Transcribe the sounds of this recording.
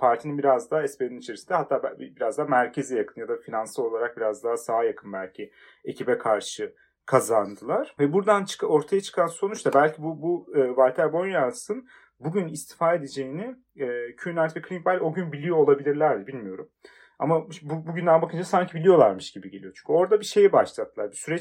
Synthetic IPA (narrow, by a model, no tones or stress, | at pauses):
pʰaɾt̪ʰininbiɾazd̪aɛspeninit͡ʃʰe̞ɾisind̪ɛɦat̪ʰːaːbbiɾazd̪aːmæɾcʰe̞zijakʰɯnjad̪afinansɯo̞lˠaɾak̚biɾazd̪aasaːjakʰɯnbælʲcʰi | e̞cʰibɛkʰaɾʃɯ | kʰazand̪ɯlˠaɾ̥vɛbuɾd̪ant͡ʃʰɯ̥ko̞ɾt̪ʰajat͡ʃʰɯ̥kʰanso̞nut͡ʃt̪abælʲcʰibubuɯːvalʲt̪ʰæɾbo̞njansɯn | buɟynist̪ʰi̥faːe̞d̪ed͡ʒe̞jinɪ | ɛːcʰynalʲt̪vɛkʰlʲin̚balʲo̞ɟynbilʲijo̞ːlˠabilʲiɾlʲæɾd̪ɛbilʲmijo̞ɾum | a̰mabubuɟynd̪ænbakɯnd͡ʒasaɲcʰibilʲijo̞lˠaɾmɯʃɟ̥ibiɟe̞lʲijo̞t͡ʃʰy̥ɲ̥cʲʰyo̞ɾd̪abiʃe̞jɛbaʃlˠat̪ʰːɯlˠaɾbisyɾɛt͡ʃ